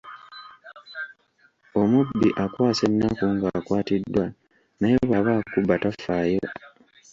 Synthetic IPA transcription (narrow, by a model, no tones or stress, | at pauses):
o̞mubːiʔakwaːse̞nːakuŋɡakwaːtidːwa | naje̞βaβaːkubatafːaːjo̞